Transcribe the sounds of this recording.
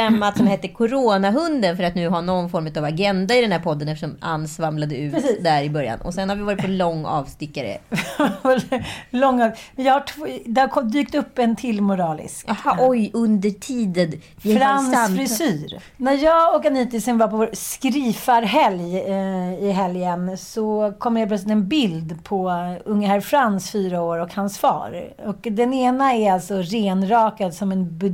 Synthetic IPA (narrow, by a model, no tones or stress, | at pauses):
ɛmːat̪sɔmhɛt̪ːəkʰʊɾoːnaɦɵnd̪ənfœɾat̪nʉ̟ːɦaɳɔnːfɔɾmʉ̟t̪avaɡɛnd̪aɪd̪ɛnhæːɾpʰɔd̪ːənɛft̪əʂɔma̰nsvamlad̪əʉ̟ːd̪æɾɪbœɾja̰nɔ̰sɛnhaɾvɪvɑːɾɪt̪pɔlɔŋːɑ̰ːvst̪ɪkːaɾə̰vvɛllɔŋːɑmɛnjɑːhaʈʰvd̪ɛhaɾkʰɔd̪yːkt̪ɵpːɛnt̪ʰɪlmʊɾɑːlɪ̰skhɔjɵnd̪əʈʰiːd̪ən | ɾansfɾɪsyːɾ | næɾjɑːɡɔkaniːt̪ɪsɛnvaɾpʰɔvoːɾskɾiːfaɾɦɛlj | ɪɦɛljənsɔkʰɔmːəheːlplœslɪt̪ɛnbɪld̪pʰɔɵŋːəhæɾfɾansfyːɾaoːɾɔkhansfɑ̰ːɾɔkd̪ɛneːnaæɾalt̪sɔɾeːnɾɑːkad̪sɔmɛnbɵ